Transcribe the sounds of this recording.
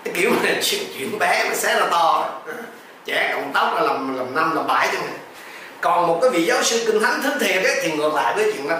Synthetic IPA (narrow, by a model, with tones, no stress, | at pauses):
a˨˦ki˧˩əwm˨˩st͡ɕwḭ˧˨ənɓɛ˨˦maː˨˩sɛ˨˦˥laː˧˩t̪ɔ˧ɔ˨˦ | t͡ɕɛ˧˩kə˨˧˩wŋ͡mt̪ə˦˥wk͡p̚laː˧˦la˨˩mla˨˩mna˧mla˨˩mɓaː˧˩jtɔ˧ŋa˨˩ | kɔ˨˩nmo˨˩t̚kaː˨˦jvḭ˧˨zaː˨˦wsɨ˧kï˧ŋt̪ʰa˨˦ŋt̪ʰɨ˨˦t̪ʰi˨˩əə˨˦t̪ʰi˨˩ŋɨ˨˩k̚la̰ː˧˨jvəː˨˦jt͡ɕwḭ˧˨əna˧˦